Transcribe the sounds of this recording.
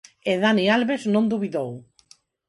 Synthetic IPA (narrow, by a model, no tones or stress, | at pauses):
eðanialβeznõnd̪uβiðow